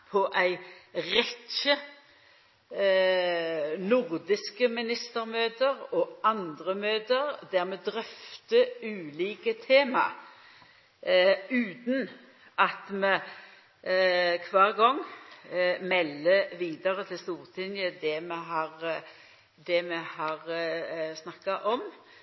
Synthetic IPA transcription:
pʰɔʔæɪʁɛt͡ʃə | nʊʁd̪ɪskəmɪnɪst̪əʁmøːd̪əʁɔɑnd̪ʁəmøːd̪əʁd̪æʁmɛd̪ʁœft̪əʉːliːkət̪ʰeːmɑ̰ | ʉːt̪n̩ | ʔɑt̪mɛ | kʰʋɑːʁɡɔŋː | mɛlːəʋiːd̪ɑʁət̪ʰɪlst̪uːʁt̪ʰɪnjəd̪ɛmɛɦɑʁ | d̪ɛmɛhɑʁ | snɑkːɑʔɔm

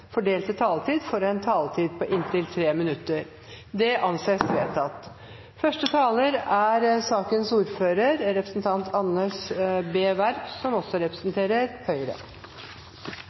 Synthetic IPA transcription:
fɔɖeːlt̪ət̪ʰɑːlt̪ʰiːd̪fɔɾɛnt̪ʰɑːlt̪ʰiːd̪̚pʰɔʔɪnt̪ʰɪlt̪ʰɾeːmɪnʉt̪ːəɾ | d̪ɛʔɑnseːsʋeːt̪ʰɑt̪ | fœʂʈət̪ʰɑːləɾæɾsɑːkənsuːɾføːɾəɾɾɛpɾəsn̩t̪ʰɑnt̪ʰɑnəʂbeːʋæɾpsɔmɔsːɔɾɛpɾəsnt̪ʰeːɾəɾhœʏɾə̰

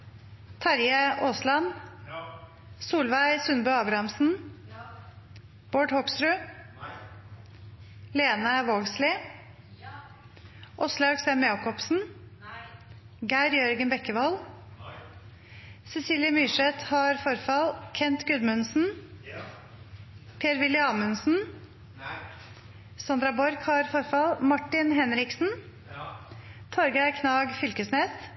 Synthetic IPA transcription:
t̪ʰɑɾjəʔoːslɑn | suːlʋæɪsʉnbʉːɑːbɾɑmsn̩ | b̥oːɖhɔkst̪ɾʉː | leːnɑʋoːɡslɪ | ʔɔslɑʉksɛːmjɑːkɔpsn̩ | ɡæɪɾjœɾɡənbɛkːəʋɔl | sɛsiːljəmʏʂɛt̪hɑɾfɔɾfɑlkʰɛnt̪ɡʉd̪mʉnsn̩ | pʰeːɾʋɪlːɪɑːmʉnsn̩ | sɑnd̪ɾɑbɔɾɡhɑɾfɔɾfɑlmɑʈːɪnhɛnɾɪksn̩ | t̪ʰɔɾɡæɪkʰnɑːɡfʏlkəsneːs

